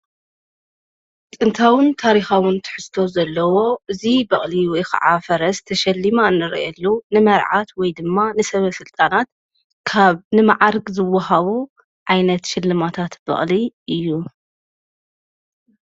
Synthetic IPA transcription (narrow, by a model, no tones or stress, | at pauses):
t̪ʼɨnt̪ʰawɨnt̪ʰaɾixawɨnt̪ʰɨ̥ħɨst̪ʰo̞zɐlːɐwo̞ʔɨzibɐχʼliwɔjxɐ̰ʕafɐɾɐst̪ʰɐʃɐlːimaɨnːɨɾ̰ʔɛlːunɨmɐɾʕat̪wɔjd̪ɨmːanɨsɐβɐsɨlt̪ʼanat̪̚ | kʰaβnɨmaʕaɾɡzɨwːɐɦaβu | ʕajnɐt̪ʃɪlːɨmat̪ʰat̪bɐ̰χʼliʔɨjːu